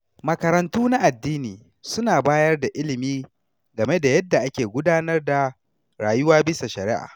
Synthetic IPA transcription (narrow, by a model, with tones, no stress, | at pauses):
mɐ˨kɐ˨ɾɐ˨ntuː˦na˦ʔa˨dːiː˦niː˨ | sʊ˦naː˨baː˦jɐ˦rda˨ʔɪ˦lɪ˨miː˦ | ɡɐ˨me˦da˨jɐ˦dːa˨ʔa˦kʲeː˨ɡʷʊ˦daː˦nɐ˦rda˨ | ɾaː˨jʊ˦waː˦bɪ˦sa˨ʃɐ˨ɾɪ˦ʔa̰ː˨